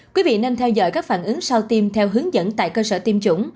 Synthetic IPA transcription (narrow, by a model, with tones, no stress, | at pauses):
kwi˨˦vḭ˧˨ne˧nt̪ʰɛ˧wzɔ̰ː˧˩jkaː˦˥k̚faː˧˩nʔɨ˨˦ŋsa˧wt̪i˧mt̪ʰɛ˧wɦɨ˨˦əŋzə̰˧˥nt̪a̰ː˧˨jkəː˧səː˧˩t̪i˧mt͡ɕʊ̰˧˩ŋ͡m